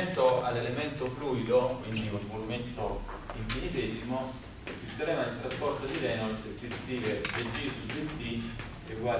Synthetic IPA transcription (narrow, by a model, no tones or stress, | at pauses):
nt̪oa̰lelemɛnt̪ofɾuid̪okwind̪iuvolument̪o | iɱfinit̪isimo | kːist̪ɾɛmad̪ilt̪ɾaspɔɾt̪od̪ilɛnɔlssist̪iːved̪ed͡ʒisusent̪i | iɡwa